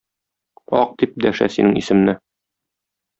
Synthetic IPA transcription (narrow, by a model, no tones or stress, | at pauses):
ɒ̰q̚d̪ip̚d̪æʃæ̰sinɘŋisɘ̆mnɘ